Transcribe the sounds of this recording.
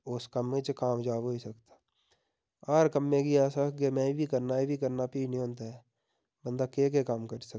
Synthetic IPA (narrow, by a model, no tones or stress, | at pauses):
ʊskamːẽt͡ʃkaːmd͡ʒaːboːisəkt̪ḁ | aɾkəmːẽkiaːsakɡemɛ̃ːibʱikəɾnaibʱikəɾnapiːniõːnt̪̬aɛ | bə̃nd̪akeːk̬ekaːmkəɾsək